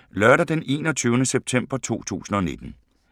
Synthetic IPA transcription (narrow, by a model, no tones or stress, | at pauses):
lɶɐɾɐd̥ene̝ːnɒt͡sʰyːʊnəseb̥̚t͡sʰem̰b̥ɐt͡sʰo̝̰ːt͡sʰṵːsn̩ɒ̽ne̝d̥n̩